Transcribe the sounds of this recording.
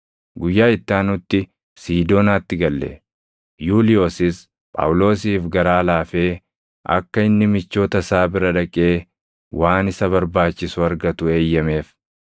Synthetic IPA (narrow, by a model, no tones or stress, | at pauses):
ɡʊjːaːɪt̪ːaːnʊt̪ːɪ | siːd̪o̞ːnaːt̪ːɪɡɐlːɛ̰ | juːlɪjo̞ːsɪs | pʼa̰wʊlo̞ːsiːfɡɐɾaːlaːfeː | ʔɐ̰kːɐɪnːɪmɪt͡ʃːo̞ːt̪ɐsaːbɪɾɐᶑɐkʼe̞ː | wʔaːnɪsɐβɐɾbaːt͡ʃːɪsʊɐɾɡɐt̪ʊe̞ːjːɐme̞ːf